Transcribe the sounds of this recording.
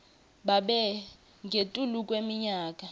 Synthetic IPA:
ɓaɓɛ | ŋɡʱetʼulukʼwemiɲaːkʼa

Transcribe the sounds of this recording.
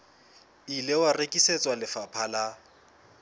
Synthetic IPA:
ilewarekʼisɛt͡sʼwalɪfapʰala

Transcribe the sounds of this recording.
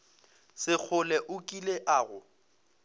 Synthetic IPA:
sɪk͡xʰʊlɛʔʊkʼileʔaːɣʊ

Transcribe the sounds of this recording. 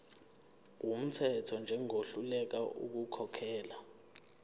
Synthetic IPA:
kum̩tʰɛtʰɔnd͡ʒʱɛŋoɬulɛk̬aʔṵk̬ukʰɔkʰɛːla

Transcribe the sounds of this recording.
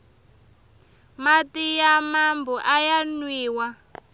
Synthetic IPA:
matijamambɔʔajanwiːwa

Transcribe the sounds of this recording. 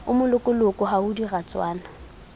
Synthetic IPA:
ʊmʊlʊkʼʊlʊkʼɔɦaʊdirat͡sʼwaːna

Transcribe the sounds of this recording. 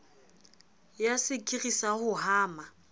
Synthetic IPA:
jasɪkʼirisahʊhaːma

